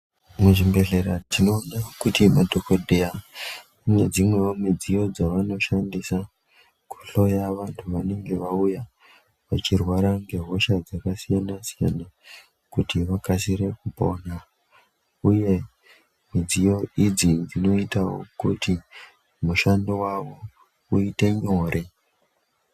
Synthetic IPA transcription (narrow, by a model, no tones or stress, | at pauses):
muʐimbe̞ɮe̞ɾatino̞ɗakutimadʱokodʱeja | uned͡zimwe̞womid͡zijo̞d͡zaʋano̞ʃandisa | ku̥ɬo̞jaʋantʰuʋane̞ŋɡe̞ʋauja | ʋat͡ʃirwaɾaŋɡe̞ɦo̞ʃad͡zakasijanasija̰na | kutiʋakasiɾe̞kupo̞na | uje̞ | mid͡zijo̞id͡zind͡zino̞itawo̰kuti | muʃandowaʋo̞ | uite̞ɲo̞ːɾe